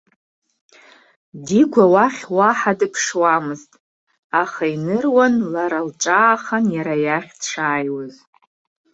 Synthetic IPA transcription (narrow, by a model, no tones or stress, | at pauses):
diɡʷawaχʲwaħadɨpʰʂwamɨztʼ | aχainɨrwanlaɾalʈ͡ʂʼaːχanjaɾajaχʲdʈ͡ʂʰaːjwaz